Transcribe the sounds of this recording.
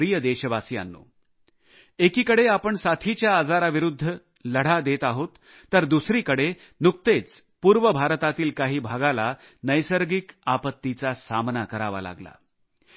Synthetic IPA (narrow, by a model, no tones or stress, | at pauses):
ɾijəd̪eɕəʋasia̰nːo̰ | ekiːkəɽeapəɳsat̪ʰit͡ɕjaːd͡zaɾaʋiɾud̪ʱːə | ləɽ̤ad̪et̪aɦot̪ː | əɾd̪usɾiːkəɽe | nuk̚t̪et͡s | puːɾʋəbʱaɾət̪at̪iːlkaɦiːbʱaɡala | nəjsəɾɡikapət̪ːit͡sasamnakəɾaʋa̰la̰ɡla̰